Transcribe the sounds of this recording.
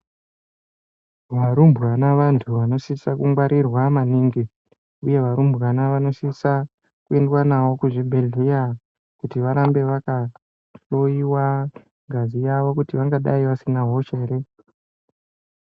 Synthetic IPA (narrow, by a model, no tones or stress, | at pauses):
ʋaɾumbʱuɣanaʋantʰuʋano̞sisakuŋɡwaɾʔirwamaniŋɡi | uje̞ʋaɾumbʱuanaʋano̞sisa | kue̞ndwanawo̞kuʐibʱe̞ɮija | kutiʋaɾambe̞ʋaka | ɬojiwa | ŋɡʱazijaʋo̞kutiʋaŋɡaɗaiʋasinaɦoʃeːre